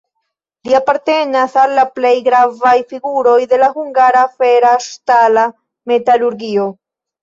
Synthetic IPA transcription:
liapaɾte̞nasalːaple̞jɡɾavajfiɡuɾo̞jde̞lahuŋɡaɾafe̞ɾaʃtala | me̞taluɾɡio̞

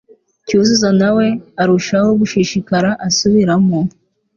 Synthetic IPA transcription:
cuzuzanawe̞aɾuʃahoβuʃiʃikaɾaʔasuβiɾamo

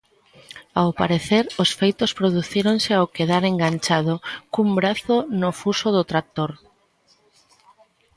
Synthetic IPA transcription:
awpaɾeθeɾosfejt̪ospɾoðuθiɾonseawkeð̞aɾeŋɡant͡ʃað̞okumbɾaθonofusoðot̪ɾat̪oɾ

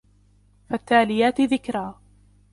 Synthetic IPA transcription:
fat̪ːaːlɪjaːt̪ɪðɪkɾaː

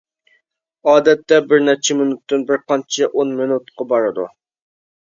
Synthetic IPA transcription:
ɑːd̪ɛt̪ːɛbɪɾnɛt͡ʃʰɛmɪnut̪ːɨnbɪɾqɑnt͡ʃʰɛʔonmɪnut̪̚qʰɑbɑɾɨd̪ṵ

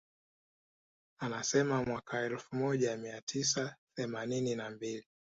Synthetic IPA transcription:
anasɛmamwakʰaɛlfumɔʄamiatʰisaθɛmanininambili

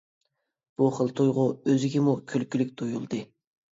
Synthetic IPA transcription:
b̥uχəlˠt̪ʰojʁʊøzɪɡʲɛmukʲʰølkʲylɪk̚ʲt̪ʰojulˠd̪ɨ

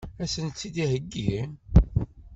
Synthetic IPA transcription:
æsənt͡sːid̪ihəɡːiin

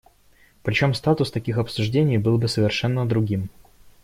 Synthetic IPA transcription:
pɾʲɪt͡ɕo̞mst̪at̪ʊst̪ɐkʲixɐpsʊʐdʲenʲɪjbɨlˠbɨsəvʲɪrʂɛnːəd̪ɾʊɡʲim

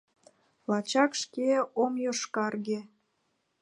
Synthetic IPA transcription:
lɑt͡ɕɑkʃkeomjoʃkɑrɣe

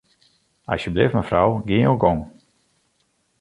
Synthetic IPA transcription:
a̰sjəblɪfməfrawɡɪoɡɔŋ

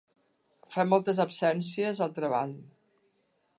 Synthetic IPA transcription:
fɛmːɔlˠt̪əzəpsɛnsiəzəlˠt̪ɾəβa̰n

